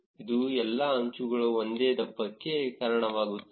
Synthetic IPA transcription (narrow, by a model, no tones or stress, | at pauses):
id̪uɛlːɐɐɲt͡ʃuɡɐɭuond̪eːd̪ɐbːɐkːe̞kaːɾɐɳɐʋaːɡut̪ː